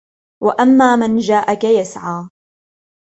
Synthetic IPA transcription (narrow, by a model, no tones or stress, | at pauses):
wa̰ʔamːaːmand͡ʒaːʔakajasʕaː